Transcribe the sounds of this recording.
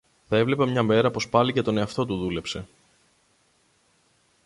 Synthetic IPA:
θɐe̞vle̞pɐmɲɐme̞ɾɐpo̞spɐlice̞t̪o̞ne̞ɐft̪o̞t̪uðule̞pse̞

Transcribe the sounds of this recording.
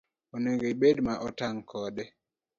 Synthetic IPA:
ɔneŋɡeiɓedmaʔɔtaŋkʰɔɗɛ

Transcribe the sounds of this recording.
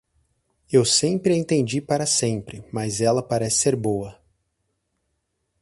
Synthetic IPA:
ewsẽpɾɪẽt̪ẽnd͡ʒipaɾɐsẽpɾɪmɐzɛlɐpaɾɛsɪ̥seɾbowɐ

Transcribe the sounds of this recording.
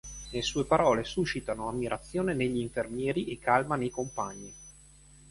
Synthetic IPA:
nelesuːepaɾɔːlesuʃit̪anoamːiɾʔat̪sːjoːneneʎːiːɱfermjɛːɾiʔekːalmanejkompaɲːi

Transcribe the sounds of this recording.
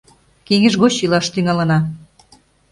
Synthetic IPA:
keŋĕʒɣot͡ɕilɑʃt̪yŋɑlɤ̆nɑ

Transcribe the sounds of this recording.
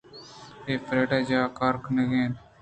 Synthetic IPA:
eːpɾeːʈaːd͡ʒaːkaːɾkneɡẽːn

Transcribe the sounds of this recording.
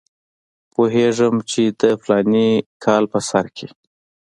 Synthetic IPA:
poɦeʐəmt͡ʃed̪əplɑnikʰɑlpəsaɾkʰe

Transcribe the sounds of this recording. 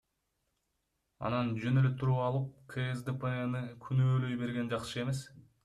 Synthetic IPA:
ɑ̰nɑnd͡ʒø̞nø̞løt̪ʰuɾuɑlˠɯp̚kʰeezd̪epeenɯkʲʰynøːlø̞jbe̞ɾɡe̞nd͡ʒɑqʃɯe̞me̞s

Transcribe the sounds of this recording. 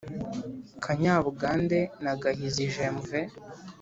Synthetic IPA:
kʰaɲaːβuɡaːndenaɡahiziʒeɱve

